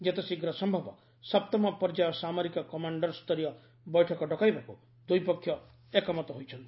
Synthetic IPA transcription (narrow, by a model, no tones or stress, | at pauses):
d͡ʒet̪esiɡɾɔsɔmbʱɔbɔ̰ | sɔp̚t̪ɔmɔpɔɾd͡ʒajɔsamɔɾikɔkɔmaɳɖɔɾst̪ɔɾijɔ | bɔjʈʰɔkɔɖɔkajbaku | d̪ujpɔkʰːjɔ | ekɔmɔt̪ɔɦojt͡ʃʰɔnt̪i̥